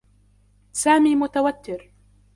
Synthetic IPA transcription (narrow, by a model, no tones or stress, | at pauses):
saːmiːmʊt̪awat̪ːɪɾ